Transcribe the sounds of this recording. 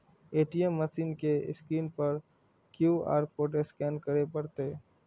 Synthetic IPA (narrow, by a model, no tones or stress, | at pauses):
eːʈiemːɐsiːnkeɪ̰skɾiːnpɐɾ | kjuːa̰ːɾpoːʈ̬eskɛːnkəɾepɐɾt̪e